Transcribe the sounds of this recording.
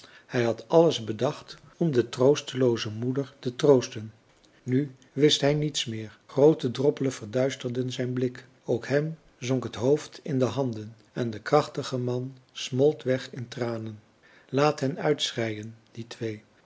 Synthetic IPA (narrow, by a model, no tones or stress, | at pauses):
hɛjɦɑtʰɑləzbədɑχt | ɔmdətrowstəlowzəmudəɹtətrowstən | ny | ʋɪstɦɛjnitsmɪːɹχrowtədrɔpələnv̥əɹdœɥstərdənzɛjnblɪk | owkɦɛm | zɔŋkɦətɦowftɪndəɦɑndən | ɛndəkrɑχtəχəmɑnsmɔlˠtʋɛχɪntraːnən | laːtɦɛnœɥtsrɛjənd̥itʰʋej